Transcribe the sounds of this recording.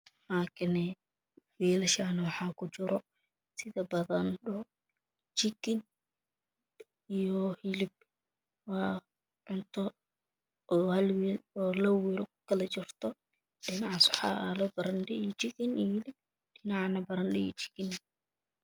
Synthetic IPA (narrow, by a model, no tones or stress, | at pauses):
laːkʰɪnɛ | wiːlɐʃaːnɐwɑħɑːkʰʊt͡ʃɪɾɔ | sɪðɐbɐðɐnɗɔ | t͡ʃɪkɪn | ijɔhilɪb̚ | waː | ʕʊnt̪ʰɔ | ʔhɐlwiɔːlɐwiɾɔkʊkʰɐlɐt͡ʃɪrt̪ʰɔ | ɗɪnɑʕɑsʊħɑ̰alɐbɐɾɐnɖɪit͡ʃɪkɪnijhɪlɪb̚ | ɖɪnɑʕnɐbɐɾɐndɪḭt͡ʃɪ̥kɪn